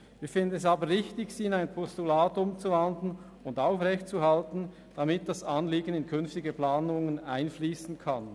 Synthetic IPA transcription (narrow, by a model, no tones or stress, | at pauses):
viːɐfɪndənɛs̬aːbəʁɪçtɪçsiːɪnaɪnpʰɔstulaːtʊmt͡suvandln̩ | ʊndaʊfʁɛçt̚t͡suɦaltn̩ | d̥amɪt̚d̥asɑnliːɡən̩ɪnkʰʏnftɪɡəplaːnʊŋənaɪnfliːsn̩kʰan